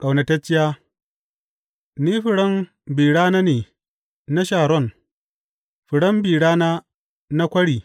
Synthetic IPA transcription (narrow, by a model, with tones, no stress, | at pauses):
kʼa˨wnɐ˨tɐ˦t͡ʃːɪ˦jaː˦ | niː˦ɸɪ˨ɽɐ˦m | biː˨ɽaː˦naː˦neː˨ | na˦ʃaː˨ɾɔ˦˨n | ɸɪ˨ɽɐ˦mbiː˨ɽaː˦naː˦ | na˦kʷɐ˦ɽiː˨